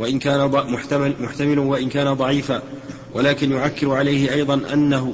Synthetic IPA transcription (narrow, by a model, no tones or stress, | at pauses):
waʔɪnkaːnamʊt̪mʊħt̪amɪlwaʔɪnkaːnad̪ˤɑʕiːfaː | walaːkɪnjʊʕakːɪɾʕalajhɪʔɑjd̪ˤɑnʔa̰nːaɦʊ